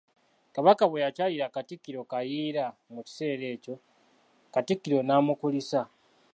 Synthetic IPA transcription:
kaβakaβwejacaːjiɾakatikːiɾo̞kajiːɾamuci̥se̞ːɾe̞ːco̞ | katikːiɾo̞naːmukulisa

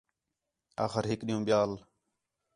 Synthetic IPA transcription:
a̰ːxəɾɦɪkɗijũːɓɪjaːl

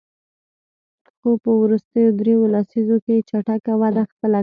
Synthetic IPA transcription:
xopəwɾust̪əjod̪ɾewolasizoket͡ʃaʈakawad̪axpəla

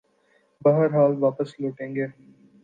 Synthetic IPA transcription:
bɐɦəɾɦaːlʋaːpəsloːʈẽːŋɡeː

